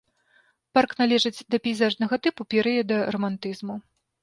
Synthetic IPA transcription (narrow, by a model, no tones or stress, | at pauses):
parknalʲɛʐɨd͡zʲd̪ɐpʲɛjzaʐnɐɣɐt̪ɨpupʲɛɾɨjɐd̪ɐrɐmant̪ɨzmu